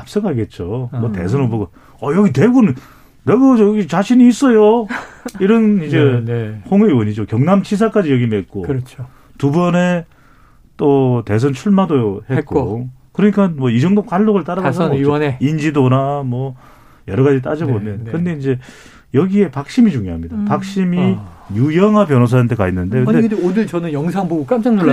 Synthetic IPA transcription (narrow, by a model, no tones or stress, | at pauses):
ap̚s͈ɯkaɡe̞t̚t͡ɕ͈omwʌte̞̰s̬ʰʌnɯnboɡo | ʌjʌɡite̞ɡonɯn | neɡʌɡʌd͡ʑojʌɡit͡ɕaɕʰiniːs͈ʌjo | iɾʌnid͡ʑe̞hoŋeiwʌɲid͡ʑokjʌŋnamt͡ɕʰis̬ʰak͈ad͡ʑijʌɡimet̚k͈oɾt͡ɕʰo | tubʌne̞ | t͈ote̞s̬ʰʌnt͡ɕʰuɭmadojohe̞k͈okɯɾʌɲik͈anmwʌid͡ʑʌŋdok͈aɭːoɡɯɭt͈aɾaɡs̬ʰiʌneind͡ʑidonamwʌ | jʌɾʌɣad͡ʑit̬͈ad͡ʑʌbomjʌnkɯnde̞ind͡ʑe̞ | jʌɡie̞pak̚ɕ͈imid͡ʑuŋjoɦamɲidapak̚ɕ͈imijujʌŋapjʌnos̬ʰaantʰekainːɯndekɯdekɯdeodɯɭt͡ɕʌnɯnjʌŋsʰaŋbuɡuk͈amt͡ɕ͈aŋtoa